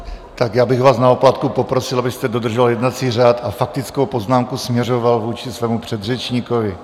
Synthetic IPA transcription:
t̪akjaːbɪɣvaːsnaoplat̪kupo̞pɾosɪlabɪst̪ɛdo̞d̪r̩ʒaljɛdnat͡siːraːt̪afak̚t̪ɪt͡skowpo̞znaːmkusmɲɛro̞valvuːt͡ʃɪsvɛːmupr̥ɛd̪rɛt͡ʃɲikovɪ

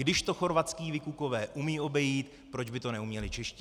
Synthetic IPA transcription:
dɪʃt̪o̞xo̞ɾvat̪t͡skiːvɪkuko̞vɛːʔumiːʔo̞bɛjiːt̪ | pɾo̞d͡ʒbɪt̪o̞nɛumɲɛlɪt͡ʃɛʃcɪ

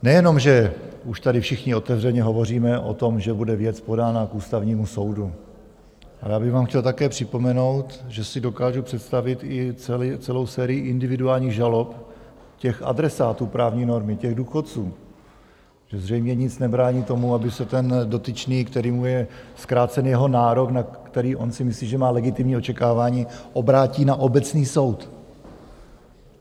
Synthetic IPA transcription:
nɛjɛno̞mʒɛuʃt̪adɪfʃɪxɲɪo̞t̪ɛvrɛɲɛɦo̞vo̞riːmɛʔo̰t̪o̞mʒɛbudɛvjɛt͡spo̞daːnakuːst̪avɲiːmuso̞wdu | ʔajaːbɪɣvaːmxcɛlt̪akɛːpr̥ɪpo̞mɛno̞wt̪ʒɛsɪdo̞kaːʒupr̝̥ɛt̪st̪avɪt̪ɪt͡sɛlit͡sɛlo̞wsɛːɾɪɪʔɪndɪvɪduaːlɲiːɣʒalo̞p | cɛxa̰dɾɛsaːt̪uːpɾaːvɲiːno̞ɾmɪcɛɣduːxo̞t̪t͡suː | ʒ̥ɛzr̝ɛjmɲɛɲɪt͡snɛbɾaːɲiːt̪o̞muabɪsɛt̪ɛndo̞t̪ɪt͡ʃniːkt̪ɛɾiːmujɛskɾaːt͡sɛnjɛɦo̞naːɾo̞knakt̪ɛɾiːʔo̞nsɪmɪsliːʒɛmaːlɛɡɪt̪ɪmɲiːo̞t͡ʃɛkaːvaːɲiːʔo̞bɾaːciːnaʔo̞bɛt͡sniːso̞wt̪

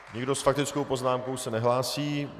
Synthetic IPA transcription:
ɲɪɡdo̞sfakt̪ɪt͡skowpo̞znaːmko̞wsɛnɛɦlaːsiː

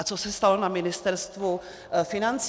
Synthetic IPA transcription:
t͡sosɛst̪alonamɪnɪst̪ɛɾst̪vu | fɪnant͡s

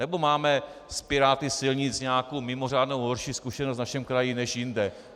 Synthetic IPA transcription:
nɛbo̞maːmɛspɪɾaːt̪ɪsɪlɲɪt͡sɲaːkowmɪmo̞r̝aːdnowɦo̞ɾʃiːskuʃɛnost̪naʃɛmkɾajinɛʃjɪndɛ

